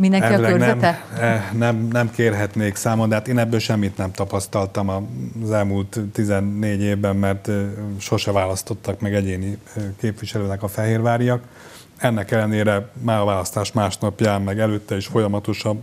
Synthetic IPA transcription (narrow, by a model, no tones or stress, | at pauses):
minɛɛlːønɛɛmɛnɛmnɛmkeːrɦɛt̪neːksaːmond̪ɛɦaːt̪eːnɛbːøːlʃɛmːit̪nɛmt̪ɒpɒst̪ɒlt̪ɒmɒzɛlmuːlt̪ːizɛnːeːɟeːvbɛmːɛrt̪ʃo̞ʃɛvaːlɒst̪o̞t̪ːɒkmɛɡɛɟeːni | keːpʋiʃɛløːnɛkɒfɛɦeːrvaːɾijɒk | ɛnːɛkɛlːɛneːɾɛmaːɾɒvaːlɒst̪aːʃmaːʃnɒpjaːmːɛɡɛløːt̪ːɛiʃfo̞jɒmɒt̪o̞ʃɒb